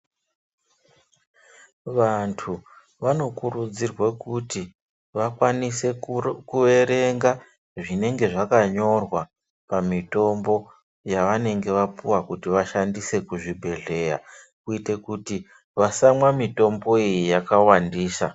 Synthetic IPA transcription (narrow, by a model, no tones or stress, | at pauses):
ʋantʰu | ʋano̞kurud͡zirwekuti | ʋakwanise̞kue̞ɾe̞ŋɡa | ʐine̞ŋɡe̞ʐakaɲo̞rwa | pamito̞mbo̞ | jaʋane̞ŋɡe̞ʋapuwakutiʋaʃandise̞kuʐibʱe̞ɮe̞ja̰ | kuite̞kuti | ʋasamwamito̞mbo̞ijijakawandiːsa